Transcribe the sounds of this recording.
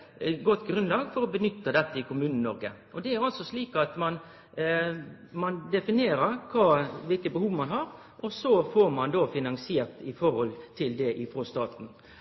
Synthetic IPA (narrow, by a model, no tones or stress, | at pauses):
ɡɔt̪ːɡɾʉnlɑːɡfɔɾɔbənʏt̪ːəd̪ɛt̪ːəɪkʊmʉːnn̩nɔɾɡəʔɔd̪ɛæɾɑlsɔsliːkɑt̪mɑn | mɑnd̪ɛfɪneːɾəɾkʰʋɑːʋɪlkəbəhuːʋmɑnɦɑːɾ | ʔɔsɔfɔɾmɑnd̪oːfɪnɑŋsɪeːɾt̪ɪfɔɾhɔlt̪ʰɪld̪ɛʔɪfɾoːst̪ɑːt̪n̩